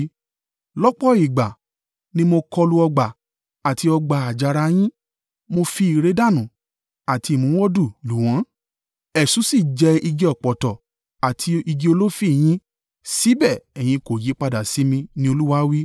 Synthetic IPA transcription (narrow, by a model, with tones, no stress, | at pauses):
lɔ˦k͡pɔ˦i˨ɡ͡ba˨ | nĩ˦mo˧kɔ˧lu˧ɔ˧ɡ͡ba˨ | a˨ti˧ɔ˧ɡ͡ba˧˨a˨d͡ʒa˨˧ɾa˧j̃ĩ˦ | mo˧fi˧i˨ɾe˨˦da˦˨nũ˨ | a˨ti˧i˨mũ˨˦wɔ˦du˦˨lu˨w̃ã˨˦ | ɛ˨sũ˨˦si˦˨d͡ʒɛ˧i˧d͡ʒɛ˧ɔ˨k͡pɔ˨tɔ˨ | a˨tʰi˧i˧d͡ʒe˧˦o˧lo˦fi˦˨j̃ĩ˧˦ | si˦bɛ˦˨ɛ˨j̃ĩ˧ko˨ji˨˦k͡pa˧da˨si˨˦mĩ˧nĩ˧o˧lu˦wa˦wi˦